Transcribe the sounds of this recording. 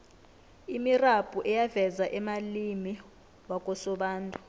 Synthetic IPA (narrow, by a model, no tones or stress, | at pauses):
imirapʼuʔɛjavɛzaʔɛmalimi | wakʼɔsɔɓaːntʼu